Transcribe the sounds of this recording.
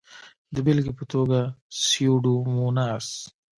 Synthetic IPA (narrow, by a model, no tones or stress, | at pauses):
d̪əbɪlɡipət̪oɡasijoɖumunas